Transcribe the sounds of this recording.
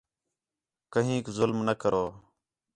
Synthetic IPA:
kəɦĩːkzʊlmnəkəɾʔoː

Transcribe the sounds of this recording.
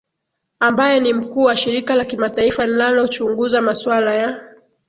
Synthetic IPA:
ambajɛnim̩kuːwaʃiɾikalakimataifaninalɔt͡ʃuŋɡuzamaswalaja

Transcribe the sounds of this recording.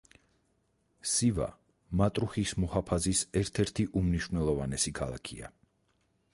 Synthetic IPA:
siva̰ | mat̪ʼɾuχismɔhapʰazisɛɾt̪ʰɛɾt̪ʰiʔumniʃvnɛlˠɔvanɛsikʰalˠa̰kʰia̰

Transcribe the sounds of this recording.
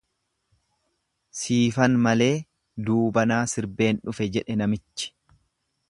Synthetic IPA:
siːfɐnmɐle̞ː | d̪uːbɐnaːsɪɾbe̞ːnᶑʊfɛd͡ʒɛᶑɛnɐmɪt͡ʃːɪ̥

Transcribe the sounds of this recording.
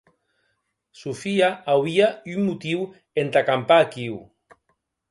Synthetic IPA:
sufiaawβiaymːut̪iw | ent̪akampaːkiw

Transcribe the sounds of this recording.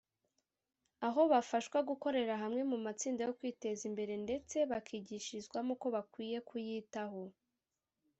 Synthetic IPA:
aɦo̞βafaʃkwaɡuko̞ɾe̞ɾaɦamŋe̞mumat͡siːndajo̞kwiːte̞zimbe̞ɾe̞nde̞t͡se̞βakʰiɟiʃizɡwamuko̞βakwiːje̞kujiːtaɦo̞

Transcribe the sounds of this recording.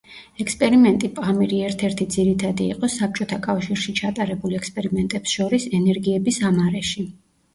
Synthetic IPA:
ɛkspʼɛɾimɛnt̪ʼipʼamiɾiɛɾt̪ʰɛɾt̪ʰid̪ziɾit̪ʰad̪ḭːqʼɔsap̚t͡ʃʼɔt̪ʰakʼafʃiɾʃit͡ʃʰat̪ʼaɾɛbulɛkspʼɛɾimɛnt̪ʼɛpsʃɔɾisɛnɛɾɡiɛbisamaɾɛʃi

